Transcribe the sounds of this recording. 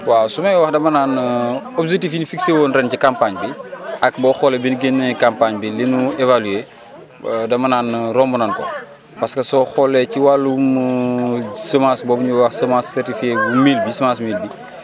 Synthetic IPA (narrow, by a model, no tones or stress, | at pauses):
wasumɐjɔwɐxdɐmɐnaːnɔbd͡ʒek̚tifjinufikseːwoːnrɛncikampaɲbiɐkbɔxɔlɛbinɡenːɛkampaɲbilinuevalueː | dɐmɐnaːnrɔmbunɐnkɔ | pɐskɐsɔxɔlːɛciwalum | səmasbɔːbɲuwɐxsəmaːssɛrtifiebumiːlbisəmasmiːlbi